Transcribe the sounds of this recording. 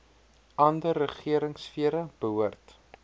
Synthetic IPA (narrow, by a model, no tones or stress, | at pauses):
ʔɐndərəχiəɾəŋsfiəɾəb̥əɦuərt